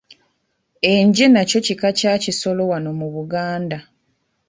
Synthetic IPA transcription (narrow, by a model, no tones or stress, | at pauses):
eɲɟenaco̞cikacaːciso̞lo̞wano̞muβuɡaːnda